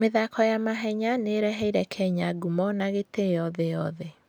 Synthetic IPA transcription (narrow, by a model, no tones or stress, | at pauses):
meðakʰɔjamaɦɛɲaneɾɛɦɛiɾɛkʰɛɲaɡumɔnaɣetejɔðɛjɔðɛ